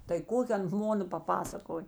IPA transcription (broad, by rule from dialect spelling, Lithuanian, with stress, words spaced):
tɐɪ ˈkoːkʲɪ ˈɐn ˈmoːnɐ pɐˈpɑːsɐkoːj